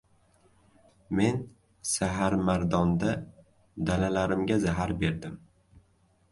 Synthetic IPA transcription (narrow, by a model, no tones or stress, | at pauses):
me̞n | saɦaɾmaɾd̪ɒnd̪a | d̪analaɾɪmɡʲazaɦaɾbe̞ɾd̪ɪm